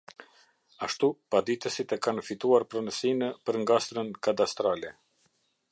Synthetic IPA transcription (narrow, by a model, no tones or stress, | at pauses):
aʃt̪upad̪it̪əsit̪ɛkanfit̪uaɾpɾɔnəsinəpəɾŋɡast̪ɾənkad̪ast̪ɾalɛ